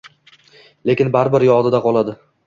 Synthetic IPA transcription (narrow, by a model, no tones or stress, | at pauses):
le̞kʲɪnbaɾbɪɾjɒd̪ɪd̪aqʰɒlˠad̪ɪ